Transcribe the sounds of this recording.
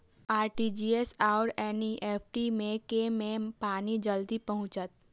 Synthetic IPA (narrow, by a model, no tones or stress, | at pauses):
aːɾʈid͡ʒiːesaːɾɛːniʔeːpʰʈimẽkemẽpaːnid͡ʒəld̪ipɐɦʊ̃t͡ʃət̪̚